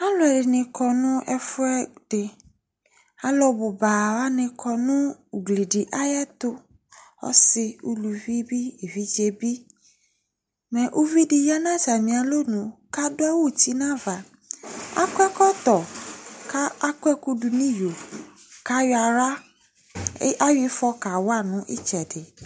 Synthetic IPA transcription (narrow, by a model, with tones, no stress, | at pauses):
a˦lʊ˨ɛ˨ɖɪ˨nɪ̃˨kʰɔ˨nʊ̃˦ɛ˨fʊ˦ɛ˦ɖ̥e˨ | a˦lɔ˦bo˨ba˨wa˦nɪ̃˨kʰɔ˨nʊ̃˦u˨ɡli˨ɖi˨ʔa˦jɛ˦t̪ʊ˦ | ɔ̰˦sɪ˨ṵ˦lu˨vi˦bi˦e˨vi˦d͡ʒe˨bi˦ | mɛ̃˨ʔo˦vi˦di˧ja˦nã˦sa˨mĩ˨a˨lo˦nũ˨ka˦do˦a˦wo˦˨ti˨˦nã˦va˨ | a̰˦kʷɛ˦kɔ˦t̪ɔ˨ka˦a˦kɛ˦ku˦du˧nĩ˦jo˨ | ka˨˦jɔ˦a˧ɾa˦ | a˦wi˧˦fɔ˧ka˨wa˦˨nũ˨˦ʔḭ˦t͡ʃɛ˨de˨